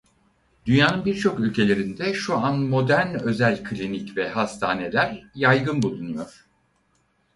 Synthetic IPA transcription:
d̪̥ynjaːnɯnbiɾt͡ʃʰo̞kylʲcʰe̞lʲe̞ɾind̪ɛʃuanmo̞d̪æɾnø̞zælʲkʰlʲinicvɛɦast̪ʰaːne̞lʲæɾjajɡɯnbulˠunujo̞ɾ̥

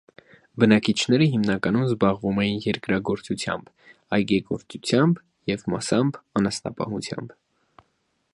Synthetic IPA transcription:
bənɑkit͡ʃʰnɛɾəɦimnɑkɑnumzbɑʁvumɛjinjɛɾkɾɑɡɔɾt͡sut͡sʰjɑ̰mb̥ | ɑjɡɛkɔɾt͡sut͡sʰjɑmb | jɛvmɑsɑmbɑnɑsnɑ̰pɑ̰hut͡sʰjɑ̰mb

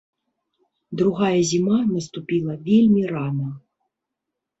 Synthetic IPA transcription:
d̪ɾuɣajɐzʲimanɐst̪upʲilˠɐvʲelʲmʲiranɐ

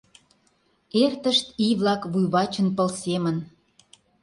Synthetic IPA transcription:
ert̪əʃt̪iβlɑkβujβɑt͡ɕənpəlsemən

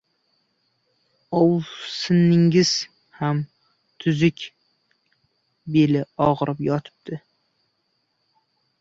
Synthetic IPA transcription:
owsɪnːɪŋʲɪz̥ | ham | t̪ʰʊzɪkʲ | belɪɒʁɾʔɪpjɒt̪ʰɪ̥p̚d̪̥ɪ

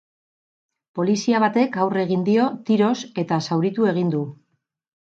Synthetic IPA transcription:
po̞lisiaβ̞at̪e̞kawre̞ɣ̞ind̪io̞t̪iɾo̞se̞t̪asawɾit̪ue̞ɣ̞ind̪u

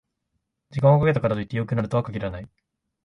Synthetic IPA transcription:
d͡ʑikãokaɡe̞t̪akaɾat̪o̞it̪ːejo̞kɯ̟naɾɯ̟t̪oakakʲiɾanai

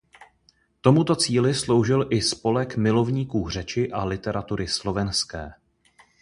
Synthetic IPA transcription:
t̪o̞mut̪o̞t͡siːlɪslo̞wʒɪlʔɪspo̞lɛkmɪlo̞vɲiːkuːr̝ɛt͡ʃɪʔalɪt̪ɛɾʔat̪uɾɪslo̞vɛnskɛ̰ː

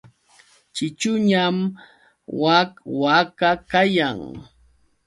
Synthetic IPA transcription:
t͡ʃɪt͡ʃʊɲam | wakwakakajaŋ

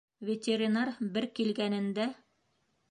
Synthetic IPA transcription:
vʲet̪ʲeɾʲinarbɘɾkilɡænɘ̆nd̪æ

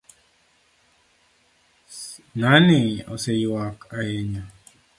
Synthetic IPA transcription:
nanɪɔsejwakʰaeɲa

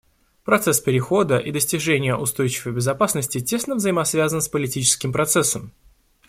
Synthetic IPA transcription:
pɾɐt̪sɛspʲɪɾʲɪxo̞d̪əʔid̪əsʲtʲɪʐɛnʲɪjəʔʊst̪o̞jt͡ɕɪvəjbʲɪzɐpasnəsʲtʲɪtʲe̞snəvzəjɪmɐsvʲazənspəlʲɪtʲit͡ɕɪ̥skʲɪmpɾɐt̪sɛsəm

